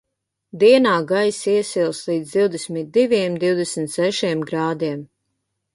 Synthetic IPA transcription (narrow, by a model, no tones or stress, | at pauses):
d̪iɛnaːɡajsiɛsilˠslˠiːd̪zd̪iwd̪ɛsmit̪̚d̪iviɛmd̪iwd̪ɛsmt̪sɛʃiɛmɡɾaːd̪iɛm